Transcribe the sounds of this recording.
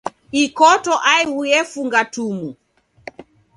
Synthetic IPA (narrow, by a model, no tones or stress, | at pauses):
ikɔtɔʔaiujɛfuŋɡatumu